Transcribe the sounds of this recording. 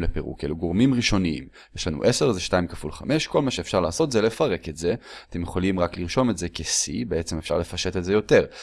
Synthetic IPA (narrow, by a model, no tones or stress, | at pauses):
lepeʁṵkḛluɡo̞ʁmimʁiʃo̞niḭm | jeʃlanṵʔe̞se̞ʁzeʃtaimkafṵlχame̞ʃko̞lmaʃeːfʃaʁlaːso̞tzelefaʁe̞ketze̞atemjeχo̞limʁakliʁʃo̞metzekesḭbeet͡semefʃa̰ʁle̞faʃe̞tetzejo̞te̞ʁ